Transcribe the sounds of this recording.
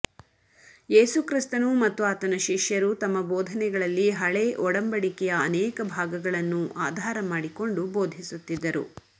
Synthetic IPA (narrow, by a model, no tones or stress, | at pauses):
e̞ːsukɾist̪ɐnumɐt̪ːuaːt̪ɐnɐʃiʂjɐɾut̪ɐmːɐboːd̪ʱɐnɛɡɐɭɐlːiɦɐɭeʔɔɽɐmbɐɽikɛjɐːnɛːkɐbʱaːɡɐɡɐɭɐnːuʔaːd̪ʱaːɾɐmaːɽiko̞ɳɖuboːd̪ʱisut̪ːid̪ːɐɾṵ